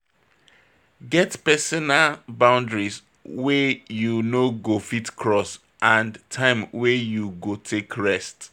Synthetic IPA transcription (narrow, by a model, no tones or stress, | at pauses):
ɡɛtpɛsɔnalbãʊ̃ndɹis | wɛjunoɡofitkʰɹɔs | ʔãntʰãɪ̃mwɛjuɡotʰekʰɹɛst